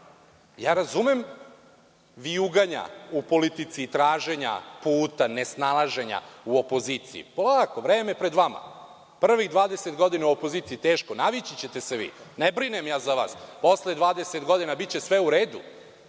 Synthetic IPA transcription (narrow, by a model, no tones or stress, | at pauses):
jaːɾazume̞m | ʋiuɡaɲa̰upo̞lit̪it̪sit̪ɾaːʒe̞ɲa̰puːt̪ane̞snalˠaʒe̞ɲa̰uo̞po̞ziːt̪sḭḭpolaːko̞ʋɾeːmepɾe̞d̪ʋama̰ | pr̩ʋiɣd̪ʋaːd̪eset̪ɡo̞d̪inauopo̞ziːt̪siit̪eːʃkonaʋit͡ɕit͡ɕet̪e̞seʋḭːnebɾinemjaːzaʋa̰ːspo̞sled̪ʋaːd̪eset̪ɡo̞d̪inabit̪̚t͡ɕe̞sʋeuɾeːd̪u